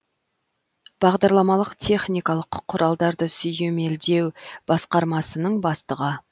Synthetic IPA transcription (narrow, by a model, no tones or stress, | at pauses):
b̥ɑʁd̪ɑɾlˠɑmɑlˠəqt̪ʲʰe̞χnijkɑlˠəqːqʰːʊɾʔɑlˠd̪ɑɾd̪əsʏjeme̞ld̪e̞wb̥ɑsqɑɾmɑsənəɴbɑst̪əʁə